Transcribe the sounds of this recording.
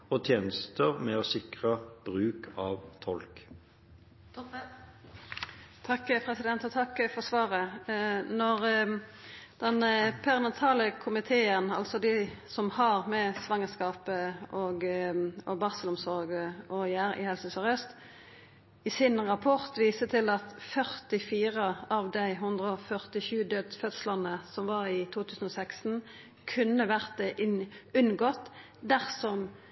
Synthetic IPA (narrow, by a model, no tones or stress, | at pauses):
ot̪ʰjeːnəst̪əʁmɛosɪkʁəb̥ʁʉːkʰɑːʋt̪ʰɔlk | t̪ʰɑkːpʰʁɛsɪd̪ɛnt̪ɔt̪ʰɑkːfɔʁsʋɑːʁə | nɔʁ | d̪̥ɛnpʰæʁnɑt̪ʰɑːləkʰʊmɪt̪ʰeːənɑ̰lsɔd̪ɪsɔmhɑʁmɛsʋɑŋːəskɑːpəʔɔɡɔbɑʁsəlʊmsɔʁɡɔjæːɾɪ̰hɛlsəsɔʁœst̪ | ɪsɪnʁɑpʰɔʁt̪ʋiːsət̪ʰɪlɑt̪fœʁt̪ɪfiːʁəɑʋd̪æɪɦʉnd̪ʁəɔfœʁt̪ɪʃʉːd̪øːd̪fœt̪slɑnəsɔmʋɑːʁɪt̪ʰuːt̪ʰʉːsən̩ɔsɛkst̪n̩ | kʰʉnːəʋæʁt̪ɛʔʉnɡɔt̪ː | d̪æʁsɔm